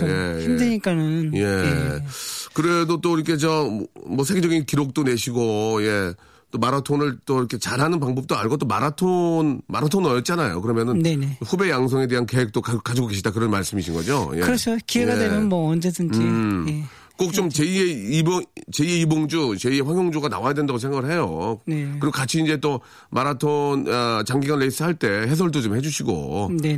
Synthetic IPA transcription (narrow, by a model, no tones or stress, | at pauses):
jejimdeɲik͈anɯnje̞ | kɯɾedot͈oiɾʌkʰe̞t͡ɕʌmwʌsʰeɡed͡ʑʌɡinkiɾok̚t͈one̞ɕʰiɡoje̞ | t͈omaɾatʰonɯɭt͈oiɾʌkʰe̞t͡ɕaɾɦanɯnp̬aŋbʌp̚t͈oaɭɡʌt͈omaɾatʰonmaɾatʰonɯɾʌjʌp̚t͡ɕ͈anajo̰kɯɾʌmjʌnɯnne̞neɸube̞jaŋs̬ʰʌŋe̞de̞ɦanke̞wek̚t͈okak͈ad͡ʑiɡoɡe̞ɕʰidakɯɾʌnmaɭs͈ɯmiɕʰinɡʌd͡ʑo̰jeɯɾʌsʰokieɡawemjʌnmʌʌnd͡ʑedɯnd͡ʑie | k͈ok̚t͡ɕ͈omt͡ɕeieibot͡ɕe̞ieiboŋd͡ʑut͡ɕe̞ieɸwaŋjoŋd͡ʑoɡana̰wajadwe̞ndaɡos̬ʰe̞ŋɡaɡɯɭɦe̞joneɯɾiɡokat͡ɕʰiːnd͡ʑe̞t͈o | maɾatʰonʌt͡ɕaŋɡiɡanɾeis͈ɯɦaɭt͈e̞ɦe̞s̬ʰʌɭdot͡ɕomhe̞d͡ʑuɕʰiɡo̰ne